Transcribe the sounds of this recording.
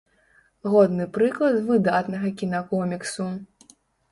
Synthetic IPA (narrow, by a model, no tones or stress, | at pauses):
ɣɔd̪nɨpɾɨklˠɐd̪vɨd̪at̪nɐɣɐkʲinɐkɔmʲiksu